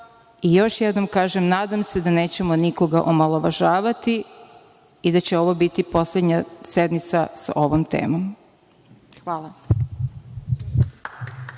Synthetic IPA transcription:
ijo̞ʃjed̪no̞mkaːʒemnaːd̪amse̞d̪ane̞ːt͡ɕemo̞niko̞ɡa̰ʔomalˠoʋaʒaːʋat̪i | id̪at͡ɕe̞o̞ʋobit̪ipo̞sled̪ɲase̞d̪mit̪sasa̰ʔo̞ʋomt̪e̞̰ːmom | xʋaːlˠa

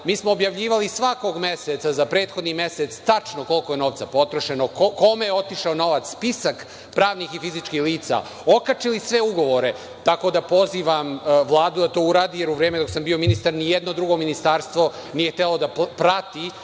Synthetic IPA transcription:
miːsmoːbjaʋʎiːʋalisʋako̞ɡmeset̪sazapɾe̞ːt̪xo̞d̪nime̞set̪st̪at͡ʂnoko̞lˠkoje̞no̞ːʋt̪sapo̞t̪ɾoʃe̞nokko̞mejeo̞t̪iʃaono̞ʋat̪sspisak | pɾaːʋnixifizit͡ʃkiːxliːt̪sa̰ | o̞kat͡ʂilisʋe̞uɡo̞ʋoɾe̞ | t̪ako̞d̪apo̞ziːʋamʋlˠaːd̪ud̪at̪o̞ːuɾaːd̪ijeɾuʋɾeːmed̪o̞ksambio̞minist̪aɾnijed̪no̞d̪ɾuɡo̞minist̪aːɾst̪ʋo̞ | nije̞xt̪elod̪apɾat̪i

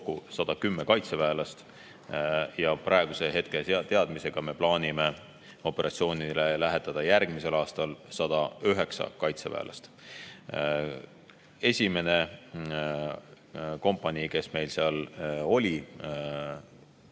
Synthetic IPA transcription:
kusɑd̪̥ɑkymːekɑjt̪sevæːlɑst̪ | jɑpɾʔɑe̞ɡ̥use̞ɦe̞t̪ket̪e̞ɑd̪̥mise̞ɡ̥ɑme̞plɑːnʲime̞ | o̞pːˑe̞ɾʔɑ̰t̪sio̞ːnile̞læɦe̞t̪ːˑɑd̪̥ɑjærɡ̥mise̞lɑːst̪ɑlsɑd̪̥ɑyɦe̞ksɑ̰kɑjt̪sevæ̰ːlʔɑ̰st̪ | e̞sʲime̞ne̞ | ko̞mpːˑɑnʲike̞sme̞jlseɑlo̞lʲi

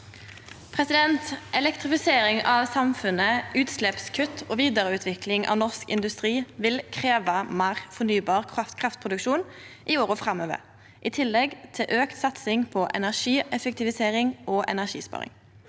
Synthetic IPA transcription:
pʰʁɛsɪd̪ɛnt̪ʔɛlɛkt̪ʁɪfɪseːɾɪŋɑʋsɑmfʉnəʉːt̪slɛpskʰʉt̪ʰːoːʋiːd̪əʁəʉːt̪ʰʋɪkʰlɪŋʔɑ̰ːʋnɔʁskɪ̰nd̪ʉst̪ʁiːʋɪlkʰʁeːʋɑmɑʁfɔnyːbɑːʁkʰɑt̪kʰʁɑft̪pʰʁʊd̪ʉkʃuːnʔioːɾɔːfʁɑmøːʋə̰ | ʔiːt̪ʰɪlːɛɡt̪ʰɪlʔøːkt̪sɑt̪sɪŋpʰɔʔɛ̰næʁʃiːɛfɛk̚t̪ɪʋɪseːʁɪŋoːʔɛ̰næʁʃḭːspɑ̰ːʁɪ̰ŋ

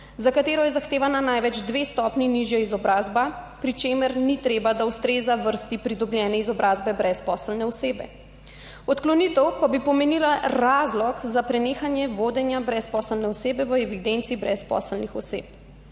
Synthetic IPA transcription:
zakat̪eːɾɔjɛzaxt̪eːʋananajʋɛd͡ʒd̪ʋest̪ɔpniniʒjaizɔbɾaːzbapɾit͡ʃeːməɾnit̪ɾeːbad̪aust̪ɾeːzaʋəɾst̪ipɾid̪ɔbljɛːnɛizɔbɾʔaːzbɛbɾɛspɔːsəlnɛɔseːbɛ̰ | ɔt̪klɔnit̪əwkabipɔmenilaɾaːzlɔkzapɾɛneːxanjɛʋoːd̪ɛnjabɾɛspɔːsəlnɛɔseːbɛʋəɛʋid̪ent̪siːbɾɛspɔ̰ːsəlnixɔsḛːp̚

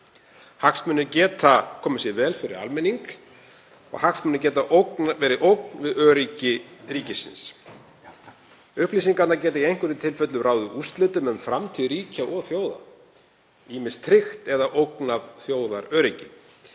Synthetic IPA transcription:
haksmʏnːʏcɛːt̪akʰɔːmʏsjɛvɛːlfɪɾɪ̰ɾa̰lmɛnːiŋk | ɔ̰ɣhaksmʏnːʏc̬ɛːt̪aʔowknavɛːɾɪʔowk̚nvɪðœːɾicɪɾiːcɪsɪ̰ns | ʏhpliːsiŋkat̪nacɛːt̪aiejŋ̥kʏɾɪt̪ʰɪlfœt̪lʏɾaːwðʏʔust̪lɪt̪ʏmʏmfɾamt̪ʰiðɾiːcaʔɔɣθjoːwða̰ | iːmɪnst̪ʰɾɪxt̪ɛðaʔowknavθjoːwðaɾœːɾicɪ

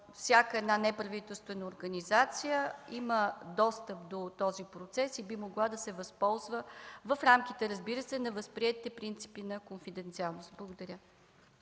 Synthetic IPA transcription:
fsʲakəɛd̪nanɛpɾɐvit̪ɛlˠst̪vɛnəoɾɡɐnizat̪sijəiməd̪ɔst̪əp̚d̪ot̪ɔzipɾot̪sɛsibimoɡlˠad̪ɐsɛvɐspɔlˠzvəvəfɾamkit̪ɛɾəzbiɾəsɛnɐvəspɾiɛt̪it̪ɛpɾint̪si̥pinɐkonfid̪ɛnt̪sialˠnost̪̚blˠəɡod̪ɐɾʲə

